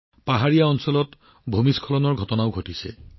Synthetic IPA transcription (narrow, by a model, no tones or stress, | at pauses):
paɦaɹijaɔnsɔlɔt | bʱomiskʰɔlɔnɔɹɡʱɔtɔnaʊɡʱotisɛ̰